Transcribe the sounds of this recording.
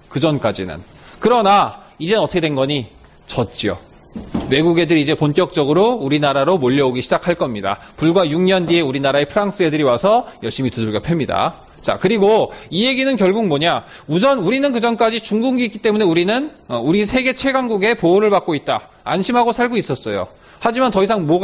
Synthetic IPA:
kɯd͡ʑʌnk͈ad͡ʑḭnɯ̰n | kɯɾʌna | id͡ʑenʌtʰʌkʰewe̞nɡʌɲi | t͡ɕʌt̚t͡ɕ͈io̰ | we̞ɡuɡe̞dɯɾid͡ʑe̞ponk͈jʌk̚t͡ɕ͈ʌɡɯɾouɾinaɾaɾomoʎːʌoɡiɕʰid͡ʑakʰaɭk͈ʌmɲida̰puɭɡwajuŋɲʌndie̞uɾinaɾaepʰɯɾaŋs͈ɯe̞dɯɾiwasʰʌjʌɭɕ͈imituduɭɡjʌpʰe̞mɲida̰ | t͡ɕa̰kɯɾiɡoije̞ɡinɯnkjʌɭɡuŋ̚moɲa | ud͡ʑʌnuɾinɯnkɯd͡ʑʌnk͈ad͡ʑit͡ɕuŋɡuŋɡik͈it͈e̞mune̞uɾinɯnʌuɾisʰe̞ɡe̞t͡ɕʰwe̞ɡwaŋɡuɡe̞poːɾɯɭpak͈̚oit̚t͈a | a̰nɕʰimɦaɡosʰaɭɡois͈ʌs͈ʌjo̰ | had͡ʑimantʌisʰaŋmʌ

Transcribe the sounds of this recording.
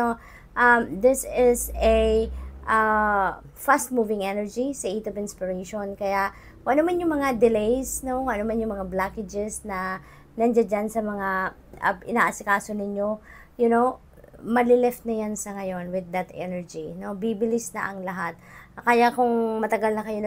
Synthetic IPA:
o | ʔɐmd̪ɪsɪsɐʔɐ | fast̪̚muvɪŋʔɛnɛɹd͡ʒisɐʔit̪ovɪnspɪɹejʃonkɐjaʔ | kõŋʔɐnomanjʊŋmɐŋad̪ɪlejsno̞koŋʔɐnomanjʊŋmɐŋablakɪd͡ʒɛsnɐ | nɐnd͡ʒad͡ʒansɐmɐŋa | ʔɐ̰ʔɪnaːʔɐsɪkaːso̞nɪɲo̞ | jʊnow | mɐlɪlɛft̪̚nɐjansɐŋɐjo̞nwɪd̪ːɐt̪ʔɛ̰nɛɹd͡ʒino̞bibɪlɪsnɐ̰ʔɐŋlɐɦat̪̚kɐjakʊŋmɐt̪ɐɡalnɐkɐjo̞nɐ

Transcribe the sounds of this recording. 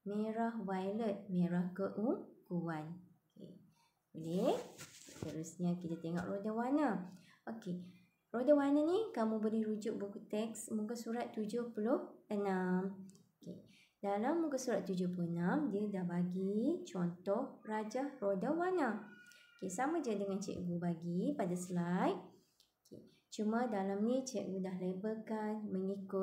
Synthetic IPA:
mẽɾahwajlət̪̚mẽɾahɡəʔuŋɡuanokḛ | əlest̪əɾusɲakit̪at̪eŋɔ̰ʔrodawanə | ʔoke | rodawanənĩkamũbəlɛhɾud͡ʒʊʔ̚bukut̪ɛksmukasuɾat̪ːud͡ʒʊhpulʊhənamokḛ | dalamːũŋkasuɾat̪ːud͡ʒʊhpuloənãmdiədahbaɡit͡ʃɔnt̪ɔhrad͡ʒarodəwanãokesamãd͡ʒədəŋãnt͡ʃɛ̰ʔɡubaɡipadaslajt̚ | okʰḛ | t͡ʃumãdalamnĩt͡ʃɛʔɡudaɦlebəkanməŋikʊ

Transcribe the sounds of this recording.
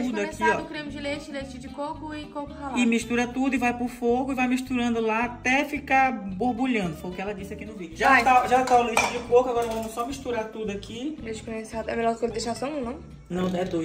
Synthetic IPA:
ud̪akiɔkɾẽmʊd͡ʒɪlet͡ʃɪlet͡ʃɪd͡ʒɪkokʊikokʊt̪alɪmiʃt̪uɾɐt̪ud̪ʊɪvajpɾʊfoɡʊɪvajmiʃt̪uɾɐ̃nd̪ʊlaːt̪ɛfikabohbuʎɐ̃nd̪ʊfojʊkɪɛlɐd͡ʒisɪakinʊvid͡ʒʊʒat̪aʒat̪auleʃɪd͡ʒɪkokʊaɡɔɾɐɔvɐ̃mʊsɔmiʃt̪uɾat̪ud̪ʊakiled͡ʒɪ̥kõɲesad̪ɛ̰melɔɾkeld̪eʃasɐ̃nɐnɐ̃w̃ | nɐ̃w̪̃ɛd̪oj

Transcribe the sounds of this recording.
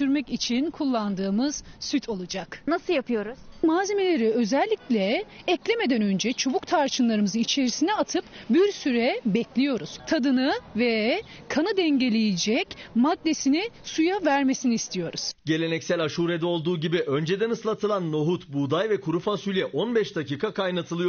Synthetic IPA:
syɾmɛcit͡ʃʰinkʰulˠːand̪ɯːmɯz̥syt̪ʰo̞lˠud͡ʒaknasɯjapʰɯjo̞ɾuz̥maːze̞me̞lʲe̞ɾiø̞zɛlʲːiclʲɛːclʲeme̞d̪ænø̞nd͡ʒɛt͡ʃʰo̞βukt̪ʰaɾt͡ʃʰɯnlˠaɾɯmɯzɯit͡ʃʰe̞ɾisinɛat̪ʰɯpbiɾsyɾɛbɛclʲijo̞ɾuz̥t̪ʰad̪ɯnɯvɛ | kʰanɯd̪ɛɲɟe̞lʲejed͡ʒɛcmad̪ːe̞sinisujavæɾme̞siniːst̪ʰijo̞ɾuz̥ɟe̞lʲe̞nɛcsælʲaʃuːɾed̪ɛo̞lˠd̪uːɟibiʔø̞nd͡ʒed̪ænɯslˠat̪ʰɯlˠanːo̞ɦut̪bud̪ajvɛkʰuɾufasylʲɛʔo̞nbɛʃd̪aciːkʰakʰajnat̪ʰɯlˠɯjo

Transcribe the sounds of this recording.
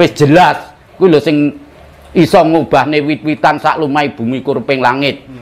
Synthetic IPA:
wɪsd̥ʒ̥ə̤las | kilɔsɪŋ | isɔŋob̥a̤hnewit̪̚wit̪ansa̰ʔlumaib̥ṳmikuɾpɪŋlaŋɪt̪̚

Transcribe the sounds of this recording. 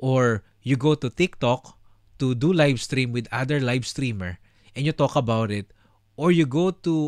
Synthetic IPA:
ʔoɹ | juɡowt̪ʊt̪ɪk̚t̪ɔk̚ | t̪ud̪ulajvst̪ɾĩmwɪd̪ad̪ɛɹlajvst̪ɹiːmɛɹ | ʔɛ̃njʊt̪ɔkɐbawt̪ɪt̪̚ | ʔɔɹjʊɡowt̪u

